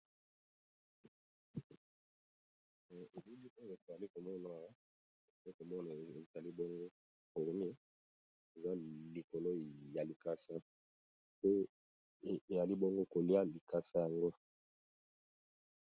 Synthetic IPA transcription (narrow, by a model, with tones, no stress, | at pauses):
e˨lu˦li˦ʔo˦jo˨e˨e˨za˨li˦ko˨mɔ˦na˨ | e˨a˨i˦ko˨mɔ˦na˨e˨za˨li˦bɔ˦ŋɡo˦ | ko˨lo˨mi˦ | e˨za˦li˨ko˨lo˦ja˨li˨ka˦sa˦ | po˦˨ | e˨ja˨li˦bo˦ŋɡo˦ko˨li˦a˦li˨ka˦sa˦ja˨ŋɡo˦